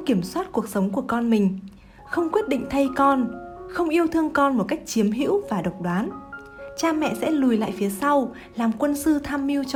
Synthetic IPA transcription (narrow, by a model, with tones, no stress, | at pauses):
ki˧˩əmswaː˦˥t̚ku˨˩ək̚sə˨˦wŋ͡mku˧˩əkɔ˧nmï˨˩ŋ̟ | xə˧wŋ͡mkwi˦˥ət̚ɗḭ˧˨ŋ̟t̪ʰə˧jkɔ˧nxə˧wŋ͡mʔi˧əwt̪ʰɨ˧əŋkɔ˧nmo˨˩ka˦˥jk̟̚t͡ɕi˨˦əmɦḭ˧˥wvaː˨˩ɗə˨˩wk͡p̚ɗwaː˨˦n | t͡ɕaː˧mɛ̰˧˨sɛ̰˧˥lu˨˩jla̰ː˧˨jfi˨˦əsa˧w | laː˨˩mkwə˧nsɨ˧t̪ʰaː˧mːi˧əwt͡ɕ